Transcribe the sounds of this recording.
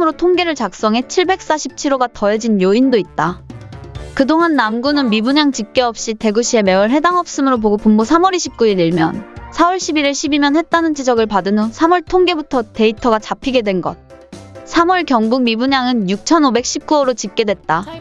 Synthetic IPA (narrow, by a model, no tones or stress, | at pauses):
mɯɾotʰoŋɡe̞ɾɯɭt͡ɕak̚s͈ʌŋɦe̞t͡ɕʰiɭbe̞k̚s͈aɕʰip̚t͡ɕʰiɾoɡatʌed͡ʑinjoindoit̚t͈a | kɯdoŋanːamɡunɯnmibuɲaŋt͡ɕik̚k͈eʌp̚ɕ͈ite̞ɡuɕʰie̞me̞wʌɭɦe̞daŋɦʌp̚s͈ɯmɯɾop̬oɡopumbosʰamʌɾiɕʰip̚k͈uiɾiɭmjʌ̰nsʰawʌɭɕ͈ʰibiɾiɭɕʰibimjʌnhe̞t̚t͈anɯnd͡ʑid͡ʑʌɡɯɭpadɯnosʰamʌɭtʰoŋɡe̞butʰʌte̞itʰʌɡat͡ɕapʰiɡe̞dwe̞nɡʌ̰t̚sʰamʌɭkjʌŋɡuŋmibuɲaŋɯnjuk̚t͡ɕʰʌnobe̞k̚ɕ͈ʰip̚k͈uʌɾot͡ɕik̚k͈e̞dwe̞t̚t͈a